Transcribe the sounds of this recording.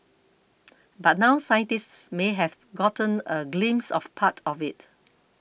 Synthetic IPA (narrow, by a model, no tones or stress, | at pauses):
bat̚nawsajə̃ntistsmeɦɛv | ɡɔtə̃nəɡlĩmsɔ̰fpʰatʰɔfɪt